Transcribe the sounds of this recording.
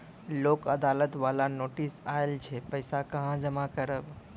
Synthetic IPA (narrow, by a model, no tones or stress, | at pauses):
loːkəd̪aːlət̪ʋaːlanoːʈisaelt͡ʃʰepəɪsakəɦãd͡ʒəmakəɾəb